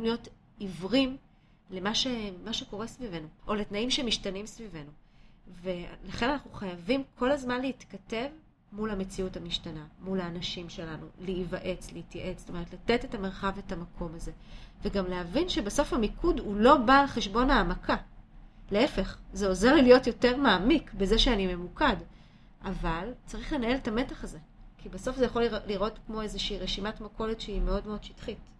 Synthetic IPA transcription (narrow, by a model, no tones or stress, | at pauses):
imljo̞t | ivʁim | lemaʃemaʃe̞ko̞ʁe̞svive̞nuʔo̞le̞tnaimʃemiʃtanimsvive̞nuvelaχe̞nanaχnuχajavimkʰo̞lazmanleit̪kate̞v | mulame̞t͡siuthamiʃtanamulaːnaʃimʃe̞lanuleivaʔe̞t͡sleitjaʔe̞t͡sstome̞ʁet̪late̞tetameʁχavetamakʰo̞maze̞veɡamleavinʃe̞baso̞fhamikudhulo̞baːlχeʃbo̞naːmakaleefe̞χzeo̞zeʁlilijo̞tjo̞te̞ʁmaːmikbezeʃeanime̞mukad | ʔavalt͡saʁiχle̞nae̞letame̞taχaze̞kibaso̞fzejaχo̞lliʁʔo̞tkmoezeʃiːʁeʃimatmako̞letʃeime̞o̞dmeo̞dʃi̥tχit